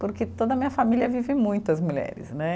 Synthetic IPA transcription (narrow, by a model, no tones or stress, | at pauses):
poɾket̪od̪ɐmĩɲɐfamiliɐvivɪmũj̃t̪ʊɐzmuʎɛ̰ɾɪ̰snɛ